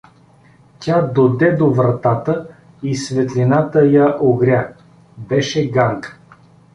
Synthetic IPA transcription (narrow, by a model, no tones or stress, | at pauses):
tʲad̪od̪ɛd̪ovɾɐt̪at̪ə | isvɛt̪lʲinat̪əjaʔoɡɾʲa | bɛʃɛɡaŋk